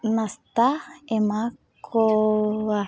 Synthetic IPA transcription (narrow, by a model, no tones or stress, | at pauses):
nast̪aemakkʰoa